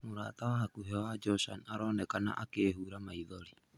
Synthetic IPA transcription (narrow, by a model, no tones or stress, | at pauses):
moɾa̰ːtawaɦakuɦewad͡ʒɔsa̰naɾɔːnɛkana̰ʔakeːhuːɾamaiðoɾi